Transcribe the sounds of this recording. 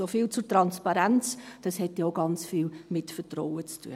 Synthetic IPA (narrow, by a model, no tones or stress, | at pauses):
ofɪlt͡sʊɾtɾɑnspɑɾænt͡sd̥ɑshɛtjoʊɡɑnt͡sfiːlmɪtfətrɔwət͡stʰṵə